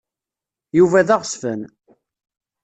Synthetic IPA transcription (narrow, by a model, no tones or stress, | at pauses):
juvæðaʁsfən